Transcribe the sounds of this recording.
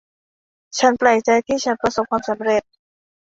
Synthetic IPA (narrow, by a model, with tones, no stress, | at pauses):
t͡ɕʰa˦˥npla˨˩jt͡ɕa˧jt̪ʰiː˥˩t͡ɕʰa˦˥npɾa˧so˨˩p̚kʰwaː˧msa˩˦mɾe˨˩t̪̚